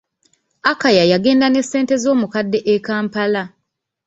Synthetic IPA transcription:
akajajaɡe̞ːndane̞sːe̞ːnte̞zo̞ːmukadːe̞ʔekaːmpala

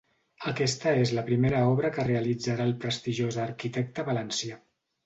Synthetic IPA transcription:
əkɛst̪əezləpɾimeɾəɔβ̞ɾəkəreəlid͡zaɾaːlˠpɾəst̪iʒozəːɾkit̪ɛk̚t̪əβələnsja

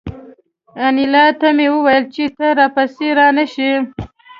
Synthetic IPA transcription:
anilɑt̪amewəwajəlt͡ʃet̪aɾɑpaseɾɑnaʃi

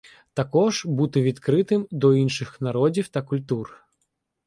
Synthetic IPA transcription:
t̪akɔʐbut̪ɪʋʲit̪kɾɪt̪ɪmd̪ɔinʃɨxnaɾɔd͡zʲiwt̪ɐkulʲt̪ur

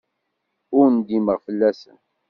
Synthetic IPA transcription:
ʊɾnd̪iməʁfəlːæsə̰n

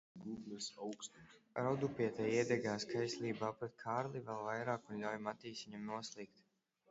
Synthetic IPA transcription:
ɡuɡ̪lɛsawkst̪iɾawd̪upʲiɛt̪ajiɛd̪ɛɡaːskajslʲˠiːbaːpɾɛt̪̚kʰaːɾlˠivɛlˠvajɾaːkunlʲawjmat̪iːsiɲamnuɔslˠik̚t̪

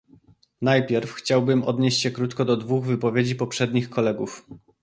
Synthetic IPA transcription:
najpʲjɛɾfxt͡ɕawbɘmɔ̰d̪ɲeɕt͡ɕɕɛkɾut̪kɔd̪ɔd̪vuɣvɘpɔvʲjed͡ʑipɔpʂɛd̪ɲixkɔlɛɡuf

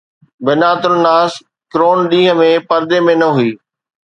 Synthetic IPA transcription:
bɐnaːt̪ʊɾnaːs | kɾoːnɗĩːɦə̆mẽpɐɾd̪emẽnɐɦuiː

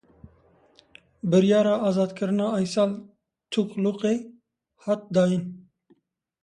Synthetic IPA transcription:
bɨɾjɑːɾɑːɑːzɑːd̪kʰɨɾɨnɑːjsɑːl | t̪ʰukluqeː | hɑːt̪̚d̪ɑːjin

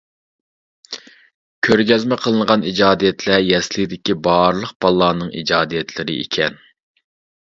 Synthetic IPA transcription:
kʲʰøɾɡʲɛzmɛqʰəlˠəɴʁɑnid͡ʒɑːd̪ijɛt̪ʰlɛjɛslɪd̪ɪkʲibɑɾlˠəq̚b̥ɑlˠːɑːnɨŋḭd͡ʒɑːd̪ijɛt̪ʰlɪɾɪ̰ʔḭkʲʰɛn

